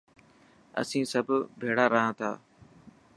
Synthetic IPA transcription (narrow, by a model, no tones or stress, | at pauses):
ə̰sĩːsəbʱbʱeːɽaːɾəɦãːt̪ʰa̰ː